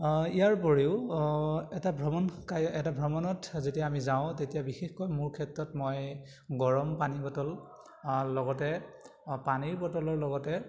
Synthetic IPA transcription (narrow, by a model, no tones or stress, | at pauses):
ijaɹpɔɹiʊ | ɛtabʱɹɔmɔnkajɛtabʱɹɔmɔnɔtzetijaːmizaʊ̃tetijabixexkɔjmuɹkʰɛtɹɔtmɔj | ɡɔɹɔmpanibɔtɔl | lɔɡɔtɛ | paniɹbɔtɔlɔɹlɔɡɔtɛ